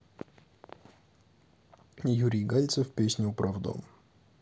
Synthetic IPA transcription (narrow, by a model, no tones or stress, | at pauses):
juɾʲijɡalʲt̪səfpʲesʲnʲʊpɾɐvd̪o̰m